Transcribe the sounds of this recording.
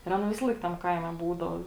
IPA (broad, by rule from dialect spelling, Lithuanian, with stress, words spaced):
ɪr ˈɑːˌnɐ ˈʋʲɪsɐlˠɐɪk tɐm ˈkɐɪmʲɛ ˈbuːdɐʊ